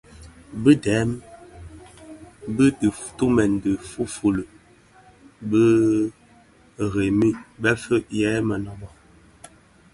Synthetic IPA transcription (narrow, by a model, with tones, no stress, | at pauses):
bə˦dɛ˨˦m | bə˦tə˨ftu˦mɛ˨n˨də˨fu˦fu˨lə˨ | bə˦˨ | ɣe˨mi˦bɛ˦fə˦ʔjɛː˨˦mə˨nɔ˦bɔ˦